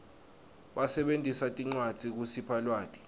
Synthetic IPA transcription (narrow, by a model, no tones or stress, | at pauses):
ɓasɛɓentʼisatʼiŋ͡ǀwad̥z̥ʱik̬usipʰalwaːtʼi̥